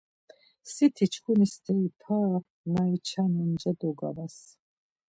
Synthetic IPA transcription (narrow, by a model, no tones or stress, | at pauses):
sit̪ʰit͡ʃʰkʰunist̪ʰɛipʰa | nait͡ʃʰanənd͡ʒad̪ɔɡa̰ɾas